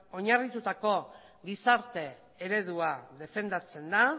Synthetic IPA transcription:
o̞ɲarit̪ut̪ako̞ | ɡisaɾt̪e̞ | eɾe̞ðuaðe̞fe̞nd̪at͡se̞nd̪a

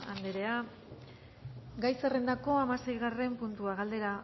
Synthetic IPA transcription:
and̪eɾe̞a | ɡajsere̞nd̪ako̞amase̞jɣare̞mpunt̪uaɣald̪e̞ɾa

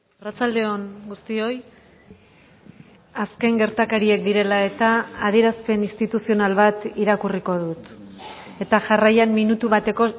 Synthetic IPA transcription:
arat͡sald̪e̞o̞ŋɡust̪io̞j | aske̞ŋɡe̞ɾt̪akaɾie̞k̚d̪iɾe̞lae̞t̪aːð̞ie̞ɾaspe̞nist̪it̪usio̞nalβat̪iɾakuriko̞ðut̪ | e̞t̪aʝarajamminut̪uβat̪e̞ko̞

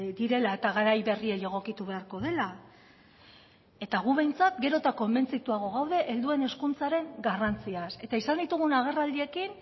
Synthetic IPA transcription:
d̪iɾe̞laet̪aɣaɾajβe̞rieʎe̞ɣ̞o̞kit̪uβe̞aɾko̞ðe̞la | e̞t̪aɣ̞uβe̞jnt͡sat̪ɡe̞ɾo̞t̪ako̞mbe̞nt͡sit̪uaɣo̞ɣawðe̞ʔeld̪ue̞ne̞skunt͡saɾe̞ŋɡarant͡siase̞t̪aisand̪it̪uɣ̞unaɣ̞e̞rald̪ie̞kin

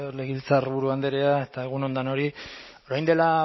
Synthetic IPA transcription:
oleɣilt͡sarβuɾuand̪eɾeae̞t̪aeɣ̞uno̞nd̪ano̞ɾi | oɾajnd̪e̞la

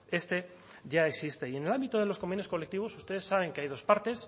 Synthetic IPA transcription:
e̞st̪e̞ | ʝaeksist̪e̞ie̞ne̞lambit̪oð̞elo̞sko̞mbenjoko̞le̞k̚t̪iβ̞o̞su̥st̪e̞ð̞esːaβ̞e̞ŋkeajðo̞spaɾt̪e̞s

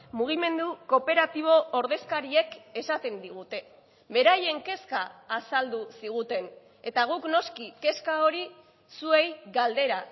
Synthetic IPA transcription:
muɣ̞ime̞nd̪uko̞pe̞ɾat̪iβ̞o̞ʔːɾðe̞skaɾieke̞sat̪e̞nd̪iɣ̞ut̪e̞ | be̞ɾaje̞ŋke̞skaːsald̪usiɣ̞ut̪e̞n | e̞t̪aɣ̞ukno̞skike̞skao̞ɾi | sue̞jɣald̪e̞ɾa

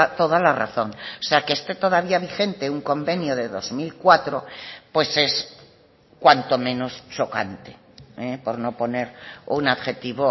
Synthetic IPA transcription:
at̪o̞ðalara̰θo̞ŋoseakeest̪e̞t̪o̞ðaβiaβ̞ixe̞nt̪euŋko̞mbe̞njoðe̞ðo̞zmilkwat̪ɾopwe̞se̞s | kwant̪o̞mẽ̞no̞st͡ʃo̞kant̪e̥ | epo̞ɾno̞po̞ne̞ɾunaβxe̞t̪iβo

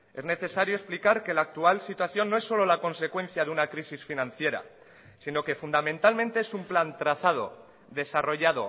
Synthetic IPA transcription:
e̞zne̞θe̞saɾjoesplikaɾke̞laːk̚t̪ualsit̪waθjo̞nːoe̞sːo̞lo̞lako̞nse̞kwẽ̞n̟θjaðeunakɾisisfinãn̟θje̞ɾa̰ | sino̞ke̞fund̪amẽnt̪almẽnt̪e̞esumplant̪ɾaθað̞o̞̰ | d̪e̞saro̞ʝaðo̞̰

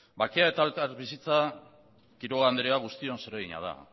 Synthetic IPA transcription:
bakeaet̪alkaɾβisit͡sa | kiɾoɣand̪eɾeaɣ̞ust̪io̞nse̞ɾeɣiɲa̰ð̞a̰

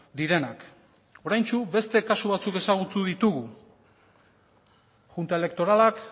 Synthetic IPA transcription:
d̪iɾe̞nak | o̞ɾajnt͡ʃube̞st̪e̞kasuβat͡suke̞saɣ̞ut̪uðit̪uɣu | ʝunt̪ae̞le̞k̚t̪o̞ɾalak

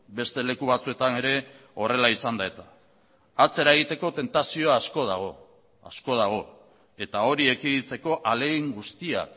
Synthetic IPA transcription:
be̞st̪e̞le̞kuβat͡sue̞t̪ane̞ɾe̞ | o̞re̞laisand̪ae̞t̪aː | t͡se̞ɾae̞ɣ̞it̪e̞ko̞t̪e̞nt̪asio̞aːsko̞ð̞a̰ɣ̞o̞ | a̰sko̞ð̞aɣ̞o̞ | e̞t̪ao̞ɾie̞kiðit͡se̞ko̞ʔaleɣiŋɡust̪ia̰k

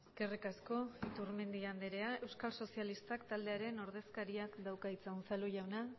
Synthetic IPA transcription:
kerikasko̞it̪uɾme̞nd̪iand̪eɾe̞ae̞wskalso̞sialist̪akt̪ald̪e̞aɾe̞no̞ɾðe̞skaɾiakd̪awkait͡sawnsaluʝawna

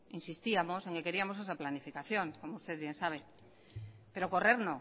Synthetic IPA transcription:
insist̪iamo̞se̞ŋke̞ke̞ɾiamo̞se̞saplanifikaθjo̞ŋko̞moust̪e̞ðβje̞nsaβ̞e̞ | pe̞ɾo̞ko̞re̞ɾnõ

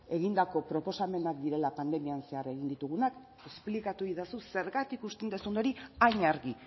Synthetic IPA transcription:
e̞ɣind̪ako̞pɾo̞po̞same̞nakd̪iɾe̞lapand̪e̞mianse̞areɣind̪it̪uɣ̞unak | e̞splikat̪uiðasuse̞ɾɣat̪ikust̪end̪esund̪o̞ɾiaɲaɾɣi

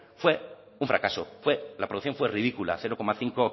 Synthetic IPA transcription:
fwe̞ | uɱfɾa̰kaso̰fwe̞lapɾoukθjõɱfwe̞riðikula̰θe̞ɾoko̞maθiŋko

